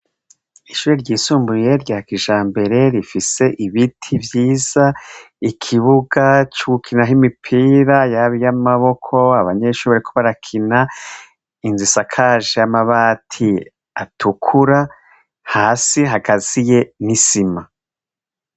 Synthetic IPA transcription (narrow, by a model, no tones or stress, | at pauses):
iʃuːɾeɾɟiːsuːmbuje̞ɾɟaːakiʒaːmbe̞ɾe̞ɾifise̞ʔiβitʰibjiːz̥a | ikʰiβuɡat͡ʃuɡukʰinaɦimipʰiːɾajaβijamaβo̞kʰo̞aβaɲe̞ʃuːaɾikuβaɾakʰina | inzisakʰaːʒejamaβaːtʰi | atʰukʰuɾa | haːsiɦaɡazije̞nisima